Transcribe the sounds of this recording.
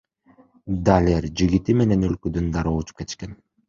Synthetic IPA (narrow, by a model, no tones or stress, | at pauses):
d̪alʲeɾd͡ʒiɡit̪ime̞ne̞nølkød̪ynd̪ɑɾout͡ʃu̥pke̞t̪iʃke̞n